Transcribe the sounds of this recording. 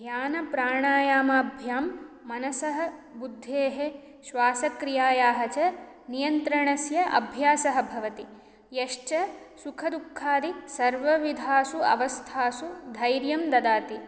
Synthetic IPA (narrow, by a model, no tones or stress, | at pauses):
ɡʱjaːnɐpɾaːɳaːjaːmɐbʱjaːmː | ɐnɐsɐɦɐbud̪ʱːeːɦe | ʃʋaːsɐkɾijaːjaːɦɐt͡ʃɐ | nijɐnt̪ɾɐɳɐsjɐʔɐ̰bʱjaːsɐɦɐ̆bʱɐʋɐt̪i | jeʂt͡ʃɐ | sukʰɐd̪ukʰːaːd̪isɐɾʋɐʋid̪ʱaːsuɐ̰ʋɐst̪ʰaːsud̪ʱɐjɾjɐmd̪ɐd̪aːt̪i